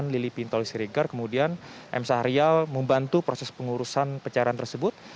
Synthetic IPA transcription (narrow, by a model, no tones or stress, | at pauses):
nlilipint̪ɔlisiɾiɡarkəmudianʔɛ̰msaɾialməmbant̪upɾosɛspəŋuɾusanpət͡ʃaɾant̪ərsəbʊt̪̚